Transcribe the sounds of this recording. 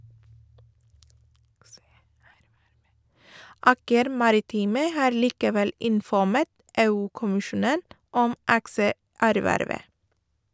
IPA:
ˈɑːkəɾ ˈmɑɾɪˌtiːmə ˈhɑːɾ ˈliːkəˌʋɛl ɪnfɔˈmɛt ˈeːʉːkʊmɪˌʃuːnən ˈɔm ˈɑksəˌæɾˌʋæɾʋə

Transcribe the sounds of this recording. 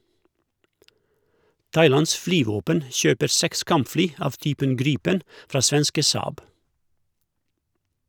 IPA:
ˈtɑɪˌlɑns ˈflyːˌʋoːpən ˈʃøːpəɾ ˈsɛks ˈkɑmpˌflyː ˈɑʋ ˈtyːpən ˈɡɾiːpən ˈfɾɑː ˈsʋɛnskə ˈsɑːb

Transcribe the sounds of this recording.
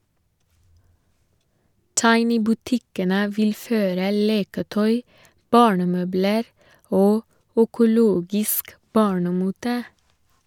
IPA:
ˈtɑɪnɪ bʉˈtɪkənə ˈʋɪl ˈføːɾə ˈleːkəˌtœʏ ˈbɑːɳəˌmøːbləɾ ˈoː œkʊˈloːɡɪsk ˈbɑːɳəˌmuːtə

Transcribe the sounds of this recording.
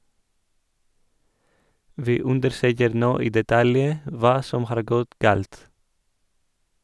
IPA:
ˈʋiː ˈʉndəɾˌsøːkəɾ ˈnoː ˈiː dɛˈtɑljə ˈʋɑː ˈsɔm ˈhɑːɾ ˈɡɔt ˈɡɑːlt

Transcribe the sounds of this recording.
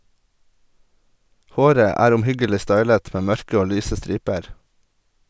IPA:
ˈhoːɾə ˈæːɾ ʊmˈhʏɡəlɪ ˈstɑɪlət ˈmeː ˈmœɹkə ˈoː ˈlyːsə ˈstɾiːpəɾ

